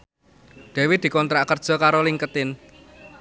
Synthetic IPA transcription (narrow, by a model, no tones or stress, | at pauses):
ɖ̪̥ɛ̤wɪd̪̥i̤kɔnt̪ɾakərd̥ʒ̥ɔ̤kaɾoliŋkət̪ɪn